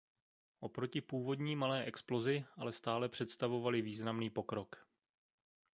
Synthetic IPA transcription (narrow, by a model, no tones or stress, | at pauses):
ʔo̞pɾo̞cɪpuːvo̞dɲiːmalɛːʔɛksplo̞zɪʔalɛst̪aːlɛpr̝̥ɛt̪st̪avo̞valɪviːznamniːpo̞kɾo̞k